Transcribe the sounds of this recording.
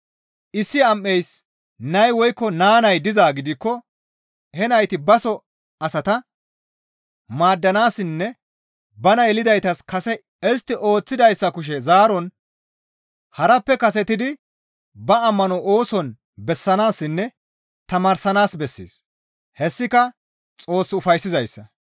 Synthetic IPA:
ʔɪsːɪɐmːɛjs | nɐjwɔjkːɔnaːnɐjd̪ɪzaːɡɪd̪ɪkːɔ | hɛnɐjt̪ɪbɐsɔ | ɐsɐt̪ɐ | maːd̪ːɐnaːsɪnːɛ | bɐnɐjɛlɪd̪ɐjt̪ɐskɐsɛ | ɪs̬t̪ːɪʔo̞ːt͡sːɪd̪ɐjsːɐkʊʃ̬ɛzaːɾɔn | hɐɾɐpːɛkɐsɛt̪ɪd̪ɪ | bɐɐmːɐnɔoːsɔn | bɛsːɐnaːsːɪnːɛ | t̪ɐmaːɾsɐnaːsbɛsːḭːs | hɛsːɪkɐ | t͡sʼo̞ːsːʊfɐjsːɪzɐjsːɐ

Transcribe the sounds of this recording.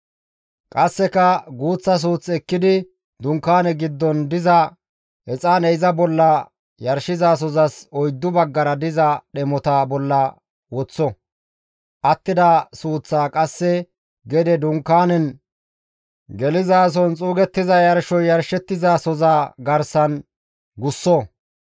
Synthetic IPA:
kʼɐsːɛkɐɡuːt͡sːɐs̬uːt͡sːɛkːɪd̪ɪ | d̪ʊŋkːaːnɛɡɪd̪ːɔnd̪ɪzɐ | hɛt͡sʼaːnɛɪzɐbɔlːɐ | jɐɾʃɪzaːs̬ɔzɐsɔjd̪ːʊbɐɡːɐɾɐd̪ɪzɐɗɛmɔt̪abɔlːɐ | wɔt͡sːɔ | ʔɐt̪ːɪd̪ɐsuːt͡sːaːkʼɐsːɛ | ɡɛd̪ɛd̪ʊŋkːaːnɛn | ɡɛlɪzaːs̬ɔnt͡sʼuːɡɛt̪ːɪzɐjɐɾʃɔjjɐɾʃɛt̪ːɪzaːsɔzaɡɐɾsɐn | ɡʊsːɔ

